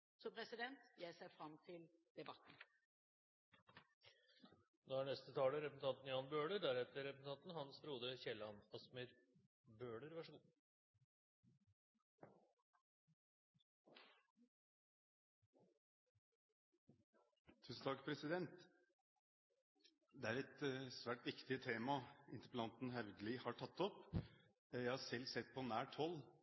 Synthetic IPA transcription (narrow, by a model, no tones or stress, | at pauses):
sɔpʰɾɛsɪd̪ɛnt̪jæɪsæfɾɑmt̪ʰɪl | d̪̥ɛbɑt̪n̩ | noːæɳɛst̪ət̪ʰɑːləɾɛpəsn̩ɑnt̪n̩jɑːnbøːɖəɾɖ̪æɾɛt̪əɾɛpəsn̩ʰɑnt̪n̩hɑnsbɾuːd̪əçɛlːɑnɑsməɾ | bøːɖəɾʋæʂəɡuː | t̪ʰʉːsn̩t̪ɑkpʰɾɛsɪd̪ɛnt̪ | d̪ɛæɾɛt̪sʋæːʈʋɪkt̪ɪt̪ʰeːmɑɪnt̪ə̥pəlɑnt̪n̩hɛʋd̪əlɪhɑʈʰɑt̪ːɔp | jæɪhɑʂɛlːsɛt̪ːpʰɔnæːʈʰɔlː